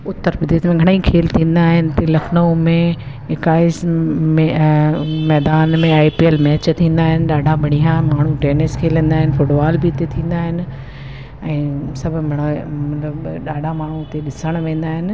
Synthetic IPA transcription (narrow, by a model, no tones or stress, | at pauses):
ʊt̪ːəɾbɪd̪iːt̪mẽɡʱɐɽ̃ẽĩkʰeːlt̪ʰĩːn̆d̪aːɦɪnɪ̆t̪elɐkʰnoũmẽ | ɪkaːɪs | mɛːd̪aːnmẽaːipielmɛːt͡ɕt̪ʰĩːn̆d̪aːɦɪnɪ̆ɗaːɖʱabʱɐɽ̃ijãmaːɳ̤uʈeːnɪskʰeːlĩːnd̪aːɦɪnɪ̆fʊʈbaːlbɪɪt̪et̪ʰĩːn̆d̪aːɦɪnɪ̆ | ɛ̃ːsɐbʱʊ̆mɐɽ̃mɐt̪ləbɗaːɖʱamaːɳ̤ut̪eɗɪsəɽ̃ʋẽːn̆d̪aːɦɪnɪ̆